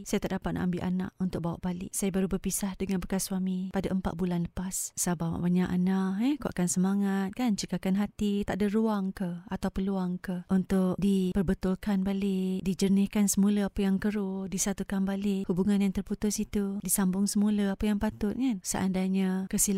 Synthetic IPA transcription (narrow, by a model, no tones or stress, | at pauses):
sajat̪aʔdapat̪̚nʔa̰ʔambɪlʔana̰ʔunt̪ʊk̚bawa̰ʔbalɪ̰ʔsajabaɾubəpisahdəŋanbəkaswamĩpadaʔəmpa̰t̪̚bulanləpassabawa̰ʔbaɲaʔanahɛkoʔa̰kansəmaŋat̪̚kant͡ʃəkakanɦat̪it̪aʔdəɾuaŋkəat̪awpəluaŋkəʔunt̪ʊk̚dipərbət̪ʊlkanbalɪʔ̚did͡ʒənɪhkansəmuləapajaŋkəɾʊdisat̪ukanbalɪʔhubuŋanjaŋt̪ərput̪ʊsit̪udisambʊŋsəmuləapajaŋpat̪ʊt̪̚ŋansə̰ʔa̰ndajɲakəsil